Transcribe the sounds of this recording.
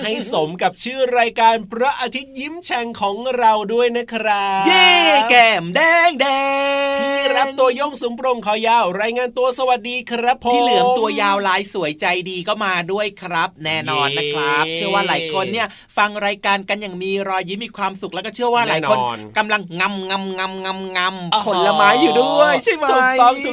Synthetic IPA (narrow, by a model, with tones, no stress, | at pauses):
ha˥˩jso˨˩˦mka˨˩p̚t͡ɕʰɯː˥˩ɾaː˧jkaː˧npɾɔ˦˥ʔa˧t̪ʰi˦˥t̪̚ji˦˥mt͡ɕʰɛ˧ŋkʰɔː˩˦ŋɾa˧wdu˥˩əjna˦˥kʰɾa˦˥jeː˥˩kɛː˧˩mdːŋdɛɛː˧iː˥˩ɾa˦˥p̚t̪u˧ɐjo˥˩ŋsu˨˩˦mpɾo˧mkʰɔː˨˦˩jaː˧˩wɾaː˧jŋaː˧nt̪u˧ɐsa˧wa˨˩t̪̚diː˧kʰɾa˦˥pʰːo˨iː˥˩lɯ˩˦əŋt̪u˧ɐjaː˧wlaː˨˦˥jsu˩˦əjt͡ɕa˧jdiː˧kʰɔ˥˩wmaː˧du˥˩əjkʰɾa˦˥p̚nɛː˥˩nɔː˧nːa˦˥kʰɾa˦˥p̚t͡ɕʰɯ˥˩ɐwaː˥˩laː˩˦jkʰo˧nːi˥˩ɐ | fa˧ŋɾaː˧jkaː˧nka˧njaː˨˩ŋmiː˧ɾɔː˧jːi˦˥miː˧kʰwaː˧msu˨k̚lːwkːɔ˥˩t͡ɕʰɯ˥˩ɐwaː˥˩laː˨˦o˧n˧ka˧mla˧ŋŋa˧mŋa˧mŋa˧mŋa˧mŋa˧mpʰo˨˩˦nla˧maː˦˥jːuː˨˩du˥˩əjʰa˥˩mt̪o˨˩t̪ɔː˧˥˩ŋʰ˨˩